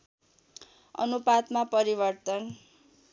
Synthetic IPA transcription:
ʌ̰nupat̪mapʌɾibʌrt̪ʌn

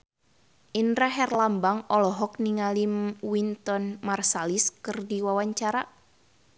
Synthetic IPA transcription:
ʔindɾaɦɛrlambaŋɔlɔɦɔk̚niŋalimwint̪ɔnmarsaliskɨrdiwawaɲt͡ʃaɾa

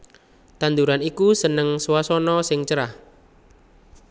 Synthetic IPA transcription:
t̪and̪uɾanikusənəŋswasɔnɔsɪŋt͡ʃəɾah

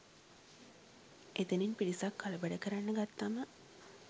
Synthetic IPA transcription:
et̪eninpiɾisakːaləbæɖəkəɾanːəɡat̪ːamə

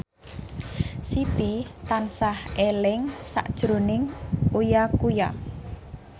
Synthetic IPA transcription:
sip̪it̪ansahʔelɪŋsa̰ʔd̥ʒ̥ɾonɪŋujakuja̰

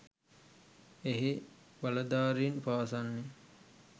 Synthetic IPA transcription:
eɦiʋalɐd̪aːɾeinpaːsanːe

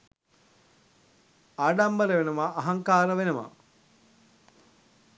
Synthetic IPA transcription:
aɖambəɾəʋenəʋaːɦaŋkaːɾəʋenəʋa̰

